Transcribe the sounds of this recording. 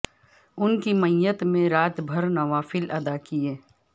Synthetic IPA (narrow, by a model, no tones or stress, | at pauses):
ʊnkimɐjət̪mẽɾaːt̪bʱɐɾnɐʋaːfɪlɐd̪akieː